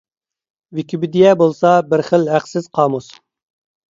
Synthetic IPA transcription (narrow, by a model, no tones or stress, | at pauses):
vɪkʲʰibɪd̪ijɛbolˠsɑbɪɾχəlɦæqsɪz̥qʰɑːmus